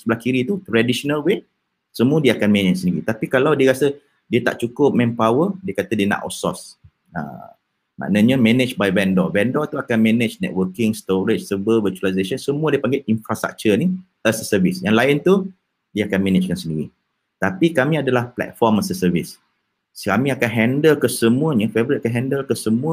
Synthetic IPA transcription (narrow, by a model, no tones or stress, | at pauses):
səbəlahkiɾit̪ut̪ɾadisonalwe | səmũədiəakanmɛnɪt͡ʃsəndiɾit̪apikalawdiəkasə | diət̪a̰ʔt͡ʃukʊp̚mɛ̃mpawədiəkat̪ədiəna̰ʔɔ̰sɔ̰s | ə̰̃ | ma̰ʔnə̃ɲəmɛnɪt͡ʃbajvɛndɔvɛndɔt̪uakanmɛ̃net͡ʃnɛ̰t̚wəkɪŋst̪oɾɪt͡ʃsəbəvət͡ʃualajzaʃənsəmũədiəpaŋɡaʔinfɾast̪ɾa̰k̚t͡ʃəni | əsəsəvisjaŋlaɪnt̪u | diəakanmɛ̃net͡ʃkansəndiɾi | t̪apikamĩadalahplɛ̰t̪̚fɔməsəsəvis | kamĩakanɦɛndəlkəsəmũəɲəfevəɾit̚akanɦɛndəlkəsəmũə